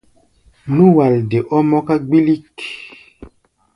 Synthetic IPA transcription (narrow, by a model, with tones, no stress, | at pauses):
nũ˦wa˨lde˨ʔɔ˦mɔ˦ka˦ɡ͡bi˦li˦k